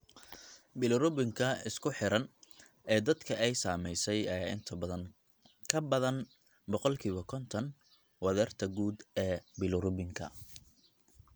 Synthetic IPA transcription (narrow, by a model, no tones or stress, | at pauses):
bɪlʊɾʊbɪŋkʰɐɪskʰʊħɪɾɐn | ɛːd̪ɐd̪kʰɐʔɛjsaːmɛjsɛjɐjaːʔɪnt̪ʰɐbɐðɐŋ | kʰɐbɐðɐn | bɔqɔlkʰiːβɐkʰɔnt̪ʰɐn | wɐðɛːrt̪ʰɐɡuːd̪ɛːbɪlʊɾʊbɪŋkʰɐ̰